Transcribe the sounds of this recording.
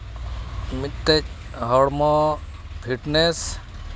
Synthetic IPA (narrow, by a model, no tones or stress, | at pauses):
mit̪ːet͡ʃ | ɦɔɽmɔ | pʰiʈnes